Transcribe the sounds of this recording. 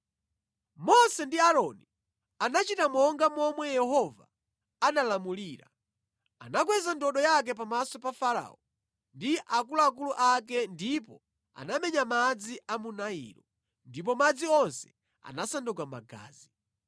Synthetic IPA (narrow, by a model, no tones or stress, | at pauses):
mɔsɛndiaɾɔni | anat͡ʃitamɔŋɡamɔmwɛjɛhɔva̰ː | nalamuliːɾa̰ | a̰nak̬wɛzandɔɗɔjak̬ɛpamasɔpafaɾa̰ːɔ | ndiʔakulak̬uluʔakɛndipɔ | a̰namɛɲamad͡ziʔamunaḭːɾɔ | ndip̬ɔmad͡ziɔnsɛ̥ | a̰nasandukama̰ɡa̰ːzi